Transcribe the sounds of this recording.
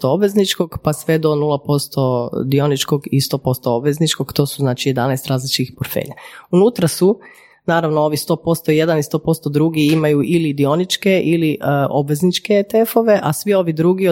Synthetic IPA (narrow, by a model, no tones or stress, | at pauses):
t̪oobʋe̞znit͡ʃko̞ɡpasʋe̞d̪o̞nuːlˠapo̞st̪o̞d̪io̞nit͡ʃko̞ɡist̪o̞ːpo̞st̪oobʋe̞znit͡ʃko̞ɡ̥t̪osuznaːt͡ʃije̞d̪anɛjst̪ɾaːzlit͡ʃkixpoɾfḛːʎaunuːt̪ɾasu | naːɾaʋnoo̞ʋist̪o̞ːpo̞st̪o̞je̞d̪anist̪o̞ːpo̞st̪o̞d̪ɾuːɡiimajuʔilid̪io̞nit͡ʃke̞ʔiliʔʔobʋe̞znit͡ʃke̞t̪e̞fo̞ʋe̞ʔasʋio̞ʋid̪ɾuːɡi